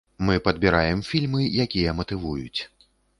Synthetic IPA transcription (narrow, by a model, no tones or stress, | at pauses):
mɨpɐd̪bʲiɾajɛmfʲilʲmɨjakʲijɐmɐt̪ɨvujut͡sʲ